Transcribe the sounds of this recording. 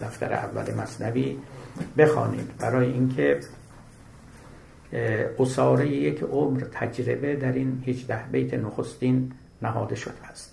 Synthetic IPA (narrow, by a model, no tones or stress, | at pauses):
d̪æft̪æ̰ɾḛʔæ̰vːæ̰lemæsnæviːbe̞xɒ̰ːnḭːd̪bæɾɒːjeʔinkʰe | ʔosɒːɾejejekʰomɾt̪ʰæd͡ʒɾebe̞d̪æɾinhiːd͡ʒd̪æhbejt̪ʰenoxost̪iːnː | æɦɒːd̪e̞ʃod̪eæst̪